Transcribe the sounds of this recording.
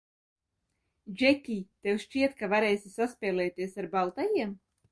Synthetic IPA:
d͡ʒɛkʲiːt̪ewsʃt͡ʃiɛt̪kavaɾɛːjsʲisaspʲɛːlˠɛːt̪iɛsaɾbalˠt̪ajiɛm

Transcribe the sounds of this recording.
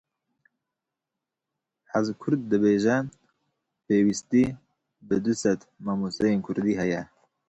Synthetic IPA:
ħazkʰʊɾd̪̚ːɨbeːʒɛ | peːwist̪iː | bɨd̪usɛt̪ | mɑːmusɛjeːnkʰʊɾd̪iːɦɛjɛ

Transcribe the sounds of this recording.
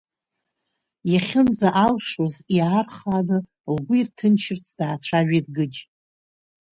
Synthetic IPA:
jaχʲɪnzaʔalʂoziarχanɨ | lɡʷʊirtʰɨnt͡ʃʰɪrt͡sʰd̥aːt͡sʷʰaʒᶣedɡɨd͡ʒ

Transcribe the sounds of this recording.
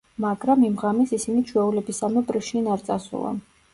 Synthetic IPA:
maɡɾamimʁamɛsisinit͡ʃʰwɛulɛbisamɔpʼɾʃinaɾt̪sʼasṵlˠa̰

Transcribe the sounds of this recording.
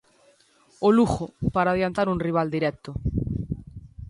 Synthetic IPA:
oluxopaɾaːðjant̪aɾuŋriβ̞ald̪iɾɛkt̪ʊ

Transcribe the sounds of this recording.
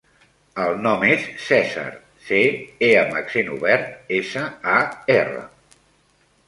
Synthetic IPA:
əlˠnɔmesːɛza̰ɾ | seeəməksenuβɛɾt̪̚esəaerə̰

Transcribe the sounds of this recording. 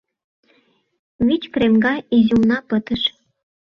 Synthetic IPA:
βit͡ɕkremɡɑizulnɑpə̆t̪ə̆ʃ

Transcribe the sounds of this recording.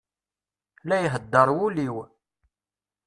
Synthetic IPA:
læjɦəd̪ːəɾˤwuliw

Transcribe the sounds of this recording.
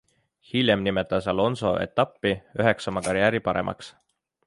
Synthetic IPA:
hilʲjemnime̞t̪ːˑɑsɑlo̞nso̞̰ʔe̞̰t̪ːˑɑpːiyɦe̞ksɑmɑkɑɾjæːɾipɑɾe̞̰mʔɑ̰ks

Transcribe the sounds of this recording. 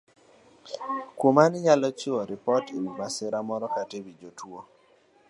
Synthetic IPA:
kwomanɪɲalɔt͡ʃʊɔɾɪpɔtimibasɪɾamɔɾɔkatebid͡ʒotwo

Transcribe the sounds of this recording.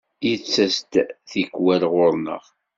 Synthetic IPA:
jit͡sːæst̪θikːwælʁʊɾˤnə̰ʁ

